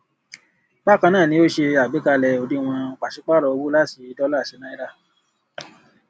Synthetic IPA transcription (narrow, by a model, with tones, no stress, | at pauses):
ba˦kã˧nãː˦˨nĩ˧˦o˦ʃe˧a˨be˨˦ka˧lɛ˧o˨˧di˦˧w̃ɔ̃˧˨k͡pa˨ʃi˨˦k͡pa˦ɾɔ˧o˧bu˦la˦ti˧dɔ˦la˦˨ʃe˨˦nã˦i˦ɾa˦˨